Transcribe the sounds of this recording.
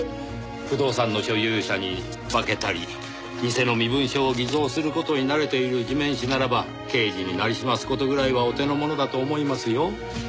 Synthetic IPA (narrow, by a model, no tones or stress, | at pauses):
ɸɯ̟d̪o̞ːsãnːo̞ɕo̞jɯːɕaɲ̟i | bake̞t̪aɾʲḭ | mʲise̞no̞mʲibɯ̟̃ɰ̃ɕoːɡʲizo̞ːsɨɾɯ̟ko̞t̪o̞ɲ̟inaɾe̞t̪e̞iɾɯ̟ʑimẽ̞ɰ̃ɕinaɾaba | ke̞ːd͡ʑiɲ̟inaɾʲiɕimasɨ̥ko̞t̪o̞ɡɯ̟ɾaiβaot̪e̞no̞mo̞no̞d̪at̪oːmo̞imasɨjo̞